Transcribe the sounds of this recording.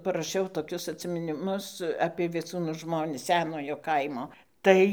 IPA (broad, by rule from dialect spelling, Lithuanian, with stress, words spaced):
pɐrɐˈʃʲɛʊ toːˈkʲʊs ɐtʲsʲɪmʲɪnʲɪˈmʊs ɐpʲiɛ ʋʲiɛˈt͡suːnuː ˈʒmoːnʲɪs ˈsʲæːnoːjoː ˈkɐɪmoː ˈtɐɪ